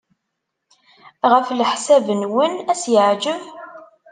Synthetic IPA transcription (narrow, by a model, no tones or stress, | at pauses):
ʁəflħsævənwənæsjəʕd͡ʒəv